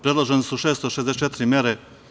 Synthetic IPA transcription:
pɾed̪lˠoʒenesuʃeːst̪oʃezd̪eset͡ʃet̪ɪɾimjeɾe

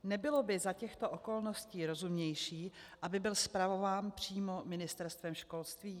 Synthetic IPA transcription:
nɛbɪlobɪzacɛxt̪oʔoko̞lnosciːɾo̞zumɲɛjʃiːʔabɪbɪlspɾavo̞vaːnpr̝̥iːmo̞mɪnɪst̪ɛɾst̪vɛmʃko̞lst̪viː

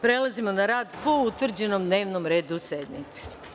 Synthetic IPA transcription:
pɾelazimo̞naɾaːd̪pout̪ʋr̩d͡ʑenomd̪ne̞ːʋnomɾe̞ːd̪used̪mḭt̪si̥

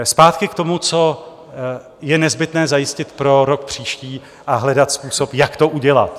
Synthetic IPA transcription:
spaːt̪kɪkt̪o̞mut͡so̞ | jɛnɛzbɪt̪nɛːzajɪscɪt̪pɾo̞ɾok̚pr̝̥iːʃciː | ʔaɦlɛdat̪spuːso̞pjakt̪oʔuɟɛla̰t̪

